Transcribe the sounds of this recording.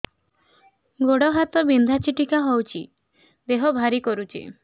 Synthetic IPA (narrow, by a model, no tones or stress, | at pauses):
ɡoɽɔɦat̪ɔbind̪ʱat͡ʃʰiʈikaɦɔwt͡ʃʰḭ | d̪eɦɔbʱaɾikɔɾut͡ʃʰḭ